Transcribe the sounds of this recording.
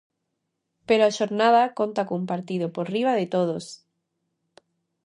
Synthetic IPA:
peɾoaʃoɾnaðakont̪akoumpaɾt̪iðopoɾriβ̞aðet̪oð̞os

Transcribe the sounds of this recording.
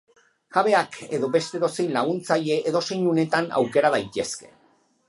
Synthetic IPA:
ʝ̥aβe̞akʰe̞ðo̞be̞st̪e̞ðo̞sejnlaɣ̞unt͡saʎe̞ʔeðo̞se̞jɲune̞t̪ana̰wke̞ɾað̞ajt̪ie̞ske̞̥̰

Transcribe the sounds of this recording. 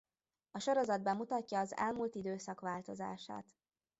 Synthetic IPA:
ɒʃo̞ɾo̞zɒd̪̚bɛmːut̪ɒcːɒːzɛ̰lmult̪id̪øːsɒkʋaːlt̪o̞za̰ːʃa̰ːt̪

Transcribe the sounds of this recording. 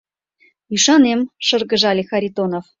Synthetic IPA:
yʃɑnemʃɤ̆rɣə̆ʒɑlʲixɑɾʲit̪onof

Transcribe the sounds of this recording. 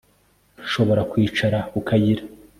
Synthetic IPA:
ʃo̞βo̞ɾakwiːt͡ʃaɾaukʰajiɾa

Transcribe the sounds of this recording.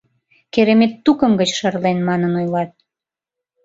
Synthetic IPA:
keɾemet̪ːukə̆mɡət͡ɕʃərlenmɑnənojlɑt̪̚

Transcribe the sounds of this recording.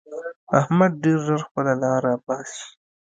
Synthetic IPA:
ahmad̪̚ɖeɾzəɾxpəlalɑːɾabɑːsi̥

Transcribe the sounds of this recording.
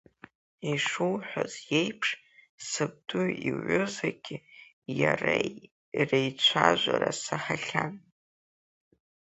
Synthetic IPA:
iʂuwħʷᶣazje̞jpʰʂ | sɨb̚dʊiʕʷʊzaɡʲɪ | jara | irejt͡ɕʷʰaʒʷaɾasaħaɬʲan

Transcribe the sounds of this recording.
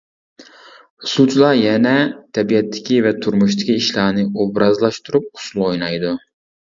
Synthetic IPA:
sut͡ʃʰlˠɑjɛnɛt̪ʰɛbijɛt̪ʰːɪ̥kʲivɛt̪ʰuɾmuʃt̪ɪkʲiːʃlˠɑːnɨobɾɑzlˠɑʃt̪uɾup̚ʊ̥sulˠojnɑjd̪u

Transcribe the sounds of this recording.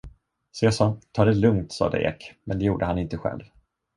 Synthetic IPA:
sesɑːt̪ʰɑːɖ̪ɛlɵŋt̪sɑ̰ːd̪ə̰ʔḛːkmɛnd̪ɛjuːɖəhanɪnt̪əɧɛ̰lv

